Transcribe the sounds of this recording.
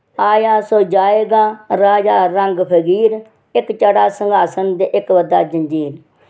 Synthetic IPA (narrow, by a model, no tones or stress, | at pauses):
aːjaːsoːd͡ʒaːeːɡaːɾaːd͡ʒaːɾəŋɡpʰəɡiːɾ | ɪkt͡ʃəɽaːsəŋɡʱaːsənd̪eːʔɪkʋəd̪aːd͡ʒəɲd͡ʒiːɾ